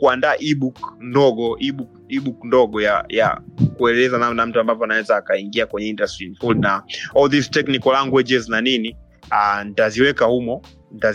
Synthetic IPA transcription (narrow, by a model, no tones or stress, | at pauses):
kuandaːʔiɓukndɔɡɔʔiɓukiɓukndɔɡɔjaja̰kuɛlɛlɛzanamnam̩tuambavjɔanawɛzaːkaiŋɡiakwɛɲɛindastɾinfulnaɔlðiztɛknikɔlaŋɡwɛd͡ʒɛznanini | antaziwɛkahumɔ | nta